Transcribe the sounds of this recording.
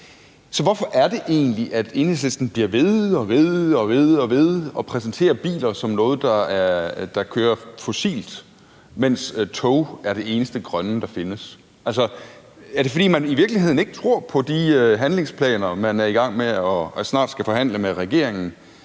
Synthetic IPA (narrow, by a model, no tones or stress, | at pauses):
sɒ̽ʋɒfɒ̽ʔæɐd̥e̝ʔe̝̰ːnliʔæd̥e̝ːneslesd̥n̩b̥liɐʋe̝ðˠɒ̽ʋe̝ðˠɒ̽ʋe̝ðˠɒ̽ʋe̝ð̞ˠɒ̽pʰʁɛsn̩t͡sʰe̝̰ːɐb̥ḭːlɐsɒ̽mnɔ̽ːð̞̩ˠd̥ɑ̈æɐd̥ɑ̈kʰøːɐfo̝sḭːld̥ | men̰st͡sʰɔʊæɐɾ̥e̝e̝ːnəsd̥əɡ̥ʁɶnəd̥ɑ̈fe̝nəs | ʔælsɒ | æɐd̥e̝fɒ̽ɾḭːmæniʋiɐɡ̥lihe̝ð̞̰ˠn̩e̝ɡ̥ə̥t͡sʰʁo̝ɐ̰pʰɒ̽d̥iøɦænle̝ŋspʰlɛ̰ːnɐmænæɐiɡ̥ɑ̈ŋ̰meɒsnɑ̰̈ːd̥sɡ̥æfɒ̽ɦæn̰ləmeʁɛɡ̥e̝̰ɐ̰e̝ŋn̩